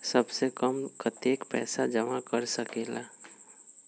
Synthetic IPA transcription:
səbsekəmkat̪eːkpɛ̰ːsad͡ʒəmakəɾsəkeːla

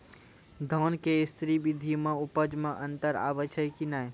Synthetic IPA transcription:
d̪ʱɔːnkeɪst̪ɾibid̪ʱimãʊpəd͡ʒmãʔənt̪əɾa̰ːʋət͡ʃʰəjkinaj

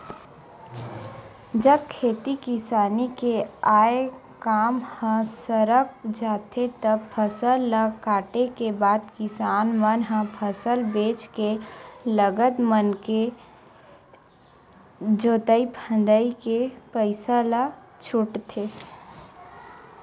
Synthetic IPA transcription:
d͡ʒəb̚kʰeːt̪ikɪsaːnikeaːe | kaːmhə̃səɾək̚d͡ʒaːt̪ʰet̪əb̚pʰəsəlːakaːʈekebaːd̪kɪsaːnmənɦə̃pʰəsəlbeːt͡ʃkeləɡət̪mənke | d͡ʒoːt̪əipʰə̃nd̪əikepəɪsala | t͡ʃʰʊʈt̪ʰeː

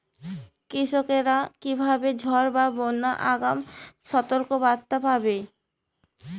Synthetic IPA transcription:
kɾiʃokeɾakibʱabed͡ʑʱɔɾbabonːaʔaɡamʃɔt̪oɾkobat̪ːabʱabe

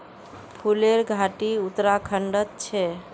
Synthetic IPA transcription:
pʰuleɾɡʱaʈiut̪ɾakʰəɳɖət̪̚t͡ʃʰɛ

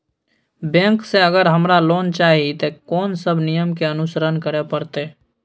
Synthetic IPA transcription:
bɛ̃ːŋkseəɡəɾɦəmɾaloːnt͡ʃaːɦit̪ekɔːnsəbʱnijəmkeənʊsəɾənkəɾepəɾt̪eː

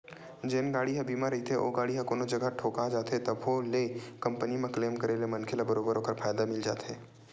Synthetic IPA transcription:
d͡ʒeːnɡaːɽiɦɛ̃biːmãɾɐɦit̪ʰeʔo̰ːɡaːɽiɦãkoːnod͡ʒɐɡaʈʰoːkad͡ʒaːt̪et̪ɐbɦolekɐ̃mpənimẽkleːmkəɾelemɐnkʰelabəɾoːbəɾɦoːkəɾfaːjd̪amɪld͡ʒa̰ːt̪ḛː

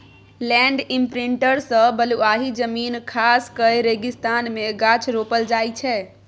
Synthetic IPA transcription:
lɛ̃ɳɖimpɾiɳʈəɾsə̃bəluaɦid͡ʒəminkʰaskəeɾeɡist̪anmeɡat͡ʃʰɾopəld͡ʒajt͡ʃʰɛ

